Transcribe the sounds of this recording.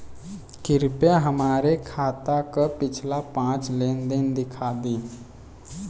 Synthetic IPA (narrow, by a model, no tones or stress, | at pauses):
kɪɾpjaɦəmaːɾekʰaːt̪akopɪt͡ʃʰlapãːt͡ʃleːnd̪ɪnd̪ɪkʰaːd̪iː